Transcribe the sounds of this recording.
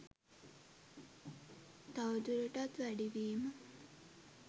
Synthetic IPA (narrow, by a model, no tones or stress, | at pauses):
t̪awd̪uɾəʈat̪ʋæɖiʋiːmə